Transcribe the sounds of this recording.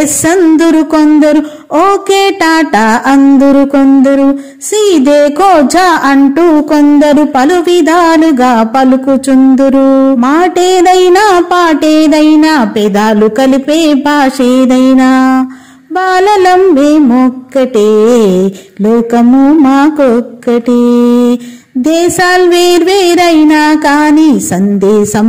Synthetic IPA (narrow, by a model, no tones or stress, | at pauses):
sɐnd̪uɾukond̪ɐɾu | oːkeːʈaːʈaːʔɐnd̪uɾukond̪ɐɾu | siːd̪eːkɔːd͡ʒaːʔɐɳʈuːkond̪ɐɾupɐluʋid̪aːluɡaːpɐlukut͡ʃund̪uɾumaːʈeːd̪ɐjnaːpaːʈeːd̪ɐjnaːpɛd̪aːlukɐlipeːbʱaːʂeːd̪ɐjnaː | baːlɐlɐmʋeːmɔkːɐʈeː | lɔːkɐmumaːkɔkːɐʈe | d̪ɛːʃaːlʋeːɾʋeːɾɐjnaːkaːniːsɐnd̪ɛːʃɐm